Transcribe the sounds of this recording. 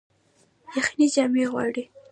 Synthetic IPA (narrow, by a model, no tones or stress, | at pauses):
jaxinid͡ʒɑmeɣwɑ̰ɽi